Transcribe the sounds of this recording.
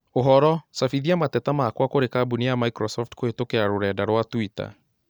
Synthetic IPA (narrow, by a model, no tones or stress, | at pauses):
oɦɔɾɔsafiðiamatɛtamakwakoɾekaːbunijamaikɾɔsɔftkoetokeɾaɾoɾɛdaɾwatwita̰